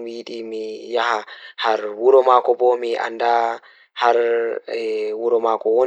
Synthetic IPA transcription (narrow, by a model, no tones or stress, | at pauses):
wiɗimijahahaɾwuɾɔmaːkɔbɔmiʔa̰nda | haɾɛwuɾɔmakɔwo